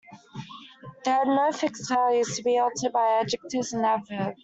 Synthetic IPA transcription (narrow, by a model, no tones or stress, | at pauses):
ðəːdⁿnəʊfɪkstʰɛljʉz̥tʰəbiɔlˠtʰəbaɪad͡ʒɪk̚tʰɪzə̃nadvəd̥